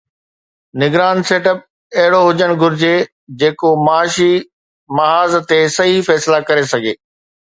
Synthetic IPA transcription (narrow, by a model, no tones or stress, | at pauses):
nɪɡɾaːnseːʈəp̚ | ɐɦɪɽoɦʊd͡ʑəɽ̃ɡʱʊɾɪd͡ʑe | d͡ʑeːkomaːʃi | mɐaːzt̪esɐɦifɛːslakɐɾesɐɡʱḛː